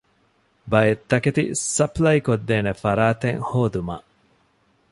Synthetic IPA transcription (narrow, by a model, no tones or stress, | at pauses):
bɐjet̪ːɐket̪ḭsɐplɐjkod̪ːeːnefɐɾaːt̪eŋhoːd̪uma̰ʔ